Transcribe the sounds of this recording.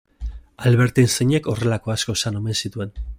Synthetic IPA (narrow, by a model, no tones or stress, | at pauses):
alβeɾt̪enseɲe̞ko̞re̞lako̞asko̞sano̞me̞nsit̪ue̞n